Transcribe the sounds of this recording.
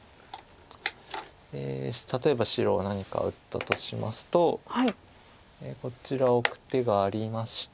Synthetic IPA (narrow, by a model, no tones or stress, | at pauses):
ḛːt̪at̪o̞e̞baɕiɾo̞̰ːnaɲ̟ika̰ɯ̟t̪ːa̰t̪o̞ɕima̰sɨ̥t̪o̞hai | eko̞t͡ɕiɾaokɯ̟̥t̪e̞ɡaːɾʲimaɕi̥